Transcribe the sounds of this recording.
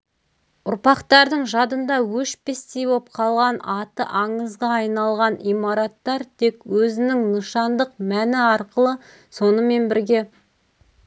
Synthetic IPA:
ʊɾpɑqt̪ɑɾd̪əɴʒɑd̪ənd̪ɑwɵʃpe̞st̪e̞jbo̞p̚qʰɑlˠʁɑnɑt̪ə̰ʔɑɴəzʁɑɑjnɑlˠʁɑnijmɑɾɑt̪ːɑɾt̪ʰe̞kwɵzɪnɪŋnəʃɑnd̪əqmænɪɑɾqəlˠə | so̞nəme̞nbɪɾɡʲe̞

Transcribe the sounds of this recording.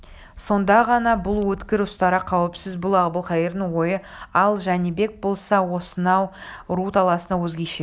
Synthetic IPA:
so̞nd̪ɑʁɑnɑbʊlˠwɵt̪kʲɪɾʊst̪ɑɾɑqʰɑwəpsɪzbʊlˠɑʁbəlˠqʰɑjeɾnəŋwo̞jə | ɑlˠʒænibe̞k̚bo̞lˠsɑwo̞sənɑwɾut̪ɑlˠɑsənɑwɵzɡʲe̞jʃe

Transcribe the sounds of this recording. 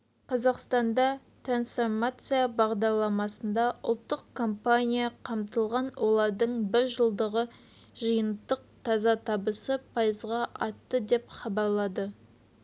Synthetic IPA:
qʰɑzɑqst̪ɑnd̪ɑ | t̪ransfo̞rmat̪sɨjabɑʁd̪ɑɾlˠɑmɑsənd̪ɑʔʊ̰lˠt̪ːəqkʰo̞mpanʲijaqʰɑmt̪əlˠʁɑnwʔo̞lˠɑɾd̪əɴbɪɾʒəlˠd̪əʁə | ʒəjənt̪ːəq̚t̪ʰɑzɑt̪ʰɑbəsəpʰɑjəzʁɑʔɑt̪ːəd̪e̞pχɑbɑɾlˠɑd̪ə

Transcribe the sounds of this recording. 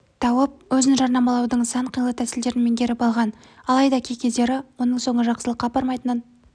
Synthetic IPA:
t̪ʰɑwəp̚wɵzɪnʒɑɾnɑmɑlˠɑwd̪əɴsɑɴqʰijlˠət̪ʰæsɪld̪e̞ɾɪnme̞ŋkʲʰe̞ɾɪpɑlˠʁɑn | ɑlˠɑjd̪ɑkʲʰe̞kʲe̞d̪e̞ɾɪwo̞nəɴso̞ɴəʒɑqsəlˠəqːɑbɑɾmɑjt̪ənən

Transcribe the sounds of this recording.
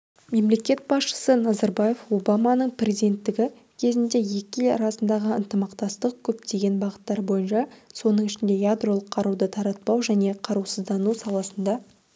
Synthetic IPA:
me̞mle̞kʲe̞t̪̚bɑsʃə̥sənɑzɑɾbɑje̞fo̞bɑmɑnəɴprʲe̞zid̪e̞nt̪ːɪɡʲɪ | kʲʰe̞zɪnd̪e̞je̞kʲɪelɾɑsənd̪ɑʁəənt̪əmɑqt̪ɑst̪əq̚kʲʰɵp̚t̪e̞ɡʲe̞nbɑʁət̪ːɑɾbo̞jənʃɑso̞nəɴɪʃɪnd̪e̞jad̪ro̞lˠəqʰːɑɾud̪ət̪ʰɑɾɑt̪̚pɑwʒæne̞qʰɑɾuwsəzd̪ɑnusɑlˠɑsənd̪ɑ

